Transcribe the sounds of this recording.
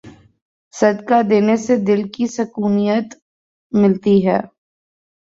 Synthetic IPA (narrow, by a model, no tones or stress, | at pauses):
sɐd̪kad̪eːnesed̪ɪlkisɐkuːnijət̪ | mɪlt̪iɦɛː